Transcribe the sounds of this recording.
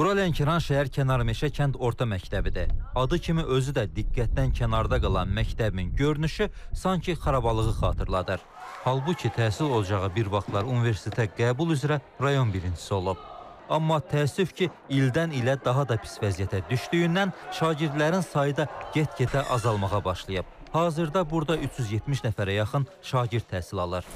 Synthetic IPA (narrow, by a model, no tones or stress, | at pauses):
uɾɑlencʰeɾɑnʃæɦæɾcʰænɑɾɯmeʃæcʰænd̪o̞ɾt̪ʰɑmæct̪æbid̪ḭɑd̪ɯcʰimiʔø̞zyd̪æd̪iɡːæt̪̚d̪æncʰænɑɾd̪ɑɡɑlˠɑnmæct̪ʰæbiminɟø̞ɾnyʃysɑŋcʰiχɑɾɑbɑlˠɯɣɯχɑ̰ːt̪ʰɯɾlˠɑd̪ɯɾ | hɑlˠbucʰit̪ʰæːsilo̞lˠɑd͡ʒɑʁɯbiɾvɑχt̪ʰlˠɑɾunive̞ɾst̪ʰet̪ʰæɡæːbulˠyzɾæ | ɾɑjo̞nbiɾind͡ʒi̥sio̞lˠub̚ | ɑmːɑt̪ʰæːsːyfcʰi | ild̪ænilæd̪ɑɦɑd̪ɑpʰi̥svæzijæt̪ʰæd̪yʃt̪yjynːænʃɑːɟiɾd̪læɾinsɑjɯd̪ɑɟet̪cʰet̪ʰæʔɑzɑlˠmɑʁɑbɑʃlˠɯjɯp̚hɑːzɯɾd̪ɑbuɾd̪ɑyt͡ʃʰjyzjet̪miʃnæfæɾæjɑχɯn | ʃɑːɟiɾt̪ʰːæːsilɑlˠɯɾ